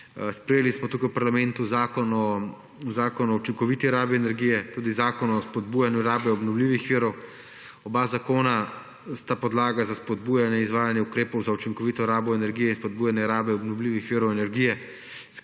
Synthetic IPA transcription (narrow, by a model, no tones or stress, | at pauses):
spɾɛjelismɔt̪uːkajwpaɾlamɛ̃nt̪uzaːkɔnɔ | uzaːkɔnɔut͡ʃiŋkɔʋiːt̪iɾaːbiɛnɛɾɡijɛt̪uːd̪izaːkɔnɔːspɔd̪̚buːjanjuɾaːbɛɔbnɔwliːʋixʋiːɾɔw | ɔbazakoːna | st̪apɔd̪laːɡazaspɔd̪̚buːjanjɛizʋaːjanjɛukɾeːpɔwzaut͡ʃiŋkɔʋiːt̪ɔɾaːbɔɛnɛɾɡijɛinspɔd̪̚buːjanjɛɾaːbɛɔbnɔwliːʋixʋiːɾɔwɛnɛɾɡiːjɛ | s